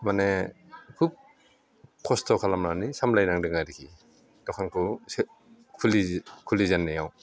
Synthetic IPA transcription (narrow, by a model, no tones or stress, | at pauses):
mane | kʰup̚ | kʰɔstʰɔkʰalamnanisamlajnaŋdɯŋaɾikʰi | dɔkʰankʰus | kʰulikʰulizanːejaw